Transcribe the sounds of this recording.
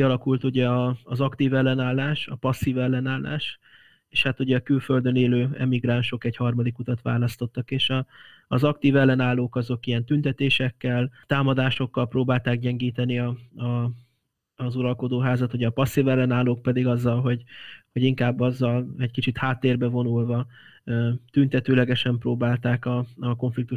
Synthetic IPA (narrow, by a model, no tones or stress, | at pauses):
kiɒlɒkult̪uɟɛɒːzɒkt̪iːvɛlːɛnaːlːaːʃɒpɒsːivɛlːɛnaːlːʔa̰ːʃ | eːʃhat̪uɟɛɒkylfø̞ld̪ø̞neːløːɛ̰miɡraːnʃo̞kɛɟhɒrmɒd̪ikut̪ɒt̪ʋa̰ːlɒst̪o̞t̪ːɒkeːʃɒːzɒkt̪iːvɛlːɛnaːlːoːkɒzo̞kijɛnt̪ynt̪ɛt̪eːʃɛkːɛlt̪aːmɒd̪aːʃo̞kːɒlproːbaːlt̪aːkɟɛŋɡiːt̪ɛniɒɒː | zuɾɒlko̞d̪oːɦaːzɒt̪uɟɛːpɒsːivɛlːɛnaːloːk̚pɛd̪iɡɒzːɒlɦo̞ɟho̞ɟiŋkaːbːɒzːɒlɛɟkit͡ʃit̪haːt̪ːeːrbɛvo̞nulvɒ | t̪ynt̪ɛt̪øːlɛɡɛʃɛmproːbaːlt̪aːkɒɒko̞ɱflik̚t̪u